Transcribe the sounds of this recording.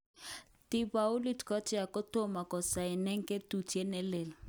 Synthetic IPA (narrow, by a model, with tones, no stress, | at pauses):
ti˦˨ba˨ʊ˦li˦tkɔ˦tɛ˦a˨kɔ˦to˦˨ma˨kɔ˨sa˨ɪ˨nɛ˦ŋ˦ke˦tu˨te˦nɛ˦le˨l